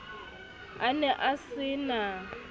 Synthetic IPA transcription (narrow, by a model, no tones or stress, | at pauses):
anɛʔasɪna